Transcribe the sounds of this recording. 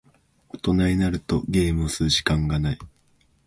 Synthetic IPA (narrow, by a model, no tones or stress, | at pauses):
ot̪o̞naɲʲinaɾɯ̟t̪o̞ɡe̞ːmɯ̟osɨːʑi̥kãŋɡanai